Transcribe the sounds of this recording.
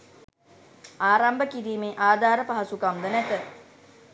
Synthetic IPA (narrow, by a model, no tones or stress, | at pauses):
aːɾambəkiɾiːmeːʔaːd̪ʱaːɾəpaɦasukamd̪ənæt̪ə